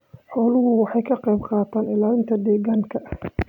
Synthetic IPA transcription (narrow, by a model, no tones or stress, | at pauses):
ħɔːlʊɦʊwɑħɑjkʰɐqɛjbqɑːt̪ʰaːnɪlaːɪnt̪ʰɐd̪ɛːɣaːŋkʰɐʔ